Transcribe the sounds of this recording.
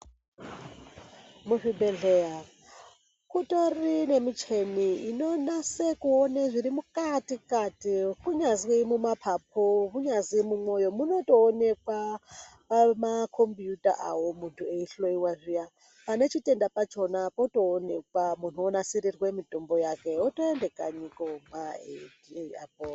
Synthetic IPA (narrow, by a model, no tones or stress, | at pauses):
muɸibeɮea | kutʼoɾinemit͡ʃʰeniinonasekuoneʐiɾimukʼatʼikʼatʼikuɲazimumapʰap̚ʰoβuɲazimumojomunotʼoːnek̚wapamakʰompijutʼa̰ʔa̰womuntʰueiɬoiwaʐija | pane̞t͡ʃitʼe̞ndapat͡ʃo̞napotʼo̞ːnek̚wamun̤uonasiɾirwemitʼombojakeotʼoendekʼaɲikomaḛdia̰p̚o